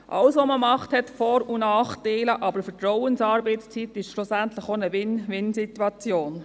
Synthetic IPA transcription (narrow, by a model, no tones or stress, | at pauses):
ʔɑ̰wsʋoməmɑχthɛtfɔɾunɑːχtaɪləʔɑbəɾfətɾɔwənsɑːɾbɛɪtst͡sitɪʃʃlʊsæntlɪxonəʋɪnʋɪnsitwɑt͡sjoːn